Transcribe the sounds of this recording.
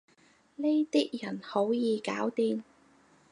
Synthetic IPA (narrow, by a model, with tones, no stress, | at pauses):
ne˥jt̪iː˥k̚jɐ˨˩nho˨˥wjiː˨˧kaː˨˥wt̪iː˧n